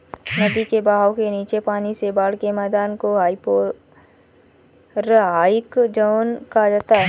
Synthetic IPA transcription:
nɐbikebaːɦaːwkeniːt͡ʃepaːnisebaːɽkemɛːd̪aːnkoɦaːipoː | ɾɦaːɪkd͡ʒəːnkad͡ʒaːt̪aɦɛ

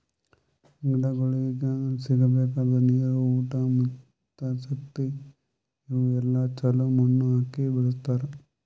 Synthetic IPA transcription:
ŋɡɽɐɡoɭiiɡesiɡɐbɛːkaːd̪ɐneːɾuuːʈɐmɐ | t̪ːɐʃɐk̚t̪i | iʋuɛlːat͡ʃɐlumɐnːuaːkibɐɭɐst̪aːɾe

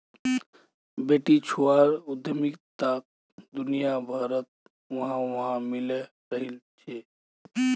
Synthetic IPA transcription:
beʈit͡ʃʰuaɾud̪ʱjəmikt̪ak̚ | d̪unijabʱaɾət̪̚ | ʋəɦãʋəɦãmile | ɾəɦilt͡ʃʰɛ

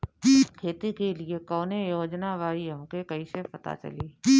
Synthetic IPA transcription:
kʰeːt̪ekeliekɔːnejoːd͡ʒnaʋaːiɦɐmkekɐisepɐt̪a̰t͡ʃɐ̰liː

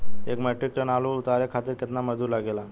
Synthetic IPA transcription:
ekməʈikʈənalout̪aɾekʰat̪iːɾket̪naməd͡z̪uːɾlaɡela

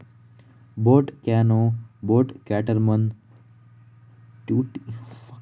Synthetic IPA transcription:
boːʈkaːnoːboːʈkaːʈəɾmɐn | ʈuʈ

